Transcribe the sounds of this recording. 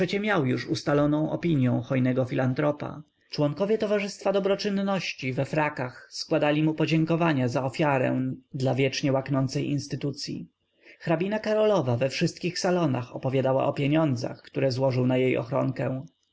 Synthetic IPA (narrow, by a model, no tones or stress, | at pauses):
pʂɛt͡ɕɛmʲjawjuʂust̪alɔnɔ̃w̃ʔɔ̰pʲiɲjɔ̃w̃xɔjnɛɡɔfʲilant̪ɾɔpa̰ | t͡ʂwɔŋkɔvʲjɛt̪ɔvaʐɘst̪fad̪ɔbɾɔt͡ʂɘnːɔɕt͡ɕivɛfɾakaxskwad̪alʲimupɔd͡ʑɛŋkɔvaɲazaɔfʲjaɾɛ̰̃d̪lavʲjɛt͡ʂɲɛwaknɔnt̪sɛjʔinst̪ɘt̪ut̪sʲjḭ | xɾabʲinakaɾɔlɔvavɛfʂɘst̪̚kʲixsalɔna̰xɔpɔvʲjad̪awa̰ʔɔpʲjeɲɔnd̪za̰xkt̪uɾɛzwɔʐɘwnajejɔ̰xɾɔ̰ŋkɛ̃w̃